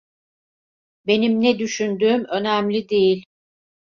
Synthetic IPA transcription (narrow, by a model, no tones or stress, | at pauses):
be̞nimnɛd̪yʃynd̪yːmø̞næmlʲid̪ejilʲ